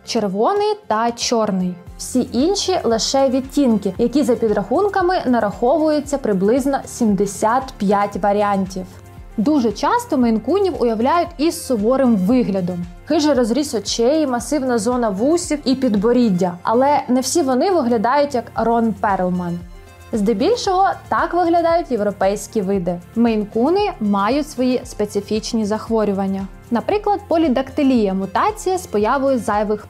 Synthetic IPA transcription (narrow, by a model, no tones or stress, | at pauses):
t͡ʃerʋɔnɪjt̪ɐt͡ʃɔrnɪj | w̥sʲiʔinʲʃʲilˠɪʃɛʋʲitʲːinkɪjɐkʲizɐpʲid̪ɾɐxunkɐmɪnɐɾɐxɔʋʊjet͡sʲːɐpɾɪblˠɪznɔsʲimd̪esʲat̪pʲjatʲʋɐɾʲiɑnʲtʲiw | d̪uʒɛt͡ʃɑst̪ɔmɪnkunʲiwʊjɐwlʲajʊtʲisːʊʋɔɾɪmʋɪɦlʲɐd̪ɔm | xɪʒɛɾɔzɾʲisɔt͡ʃɛjimɐsɪwnɐzɔnɐʋusʲiwipʲid̪bɔɾʲidʲːɐɐ̰lˠɛnɛwsʲiʋɔnɪʋɪɦlʲɐd̪ɑjʊtʲjɐkrɔnpɛɾlˠmɐn | zd̪ɛbʲilʲʃɔɦɔt̪ɑkʋɪɦlʲɐd̪ɑjʊtʲjewɾɔpɛjsʲkʲiʋɪd̪ɪmejnkunɪmɑjʊtʲsʋɔjispet̪sɪfʲit͡ʃnʲizɐxʋɔɾʲʊʋɐnʲːɐ | nɐpɾɪklˠɐd̪̚pɔlʲid̪ɐkt̪ɪlʲijɐmʊt̪ɑt͡sʲijɐspɔjɑʋʊjɛzɑjɐʋɪx